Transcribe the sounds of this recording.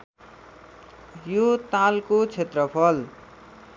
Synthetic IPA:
jot̪alkot͡sʰet̪rʌpʰʌl

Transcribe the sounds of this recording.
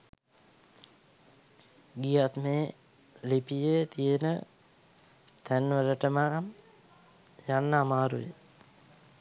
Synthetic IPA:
ɡijat̪meː | lipijət̪ijənə | t̪ænʋələʈəmanam | janːəamaːɾṵjḛ

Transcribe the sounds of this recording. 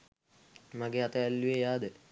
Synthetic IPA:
maɡeat̪əɛlːuejaːd̪ə

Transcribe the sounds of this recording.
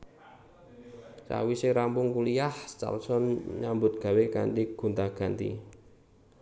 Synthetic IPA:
sa̰wiseɾampʊŋkuliahst͡ʃa̰lsɔnɲambʊt̪̚ɡ̥a̤weka̰ɳʈiɡ̥ṳnt̪aɡ̥a̤nt̪ḭ

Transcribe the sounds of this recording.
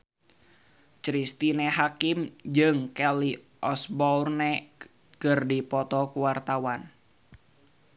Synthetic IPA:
t͡ʃɾist̪ineɦakimd͡ʒɨŋkɛli | ʔɔsbɔurnɛ | kɨrdipɔt̪ɔkuwart̪awan

